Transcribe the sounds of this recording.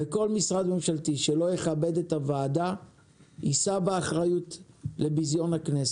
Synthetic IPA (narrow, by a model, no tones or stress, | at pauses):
veko̞lmisʁad̪me̞mʃalt̪iʃe̞lo̞jeχabe̞d̪et̪havaːd̪a | ʔisabeːχʁajutle̞bizjo̞naknes